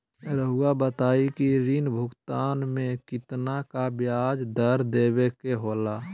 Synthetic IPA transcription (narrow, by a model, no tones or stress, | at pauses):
ɾəɦuɡabət̪aːikiɾinbʱʊɡt̪aːnmẽkɪt̪nakabjaːd͡ʒd̪əɾd̪eːbekeɦoːlaː